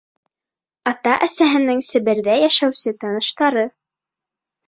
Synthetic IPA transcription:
ɑt̪ɑʔæsæɦɘ̆nɘŋsɘ̆βɘ̆ɾðæjæʃæwsɘt̪ɑnɤ̆ʃt̪ɑɾɤ

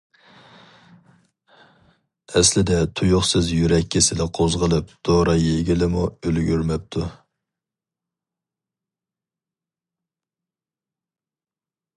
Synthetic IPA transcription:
ɛslɪd̪ɛt̪ʰujʊχsɨzjyɾɛkʲːisɪlɪqʰozʁəlˠɨp̚d̪̥oɾɑjeɡʲilɪmuølɡʲyɾmɛp̚t̪ʰu

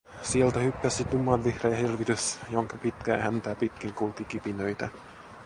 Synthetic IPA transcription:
sielt̪æhykːæsit̪umːˑɑnʋihrɑjɑhirʋit̪ysjoŋkɑpit̪kæ̰ːhænt̪æːpit̪kiŋkulkikipinøjt̪æ

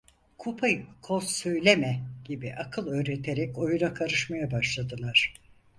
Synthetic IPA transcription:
kʰupʰajkʰolˠsø̞jlʲemɛɟ̥ibiʔakʰɯlˠø̞ːɾet̪ʰeɾɛco̞junakʰaɾɯʃmajabaʃlˠad̪ɯlˠaɾ̥

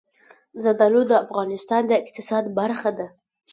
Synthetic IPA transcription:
zad̪alod̪əafɣɑnɪst̪ɑnd̪əɪq̚t̪ɪsɑd̪baɾxad̪a

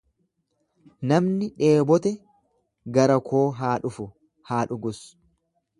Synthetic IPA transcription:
nɐmnɪᶑe̞ːbɔt̪ɛ | ɡɐɾɐkʰo̞ːɦaːᶑʊfʊ | haːᶑʊɡʊs

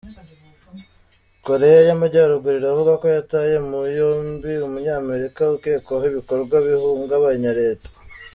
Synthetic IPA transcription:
ko̞ɾe̞jajamaɟaɾuɡuɾiɾavuɡako̞jataje̞mujoːmbiumuɲaːme̞ɾikaukeːkoɦiβiko̞ɾɡwaβihuːŋɡaβaɲaɾe̞ːtḁ

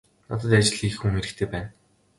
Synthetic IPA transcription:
nat̪ə̆t̪̬at͡ɕɪ̆ɮiːxuŋeɾɘ̆kt̪ʰeːpæːn

